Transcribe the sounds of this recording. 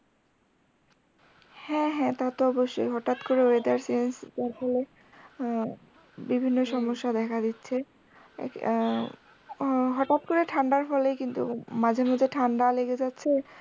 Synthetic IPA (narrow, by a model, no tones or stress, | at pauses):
hɛ̃ɦɛ̃t̪at̪oɔboʃːo̰jɦɔʈat̪koɾeoed̪eaɾsaenst̪aɾfɔle | bibʱinːoʃɔmoʃːad̪ɛkʰad̪itːɕʰḛ | ɦɔʈat̪koɾeʈʰaɳɖaɾfɔlejkint̪ṵmad͡ʑʱeɾmod͡ʑʱeʈʰaɳɖaleɡed͡ʑatːɕʰe